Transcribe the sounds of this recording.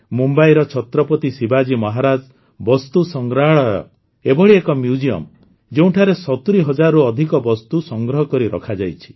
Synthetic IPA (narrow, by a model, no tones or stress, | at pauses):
mumbajɾɔt͡ʃʰɔt̪ɾɔpɔt̪isibad͡ʒimɔɦaɾad͡ʒ | bɔst̪usɔŋɡɾaɭɔjɔ̰ | ebɔɭiekɔmjud͡ʒiɔ̰m | d͡ʒeũʈʰaɾesɔt̪uɾiɦɔd͡ʒaɾɔɾuɔd̪ʱikɔbɔst̪usɔŋɡɾɔɦɔkɔɾiɾɔ̰kʰad͡ʒajt͡ʃʰi̥